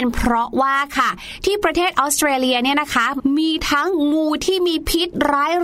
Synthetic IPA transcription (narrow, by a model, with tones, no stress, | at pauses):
npʰɾɔ˦˥waː˥˩kʰa˥˩ | t̪ʰiː˥˩pɾa˧t̪ʰeː˥˩t̪ʔɔː˦˥st̪ɾeː˧li˧ɐni˥˩ɐna˦˥kʰa˦˥miː˧t̪ʰa˦˥ŋmuː˧t̪ʰiː˥˩miː˧pʰi˦˥t̪̚ɾaː˦˥j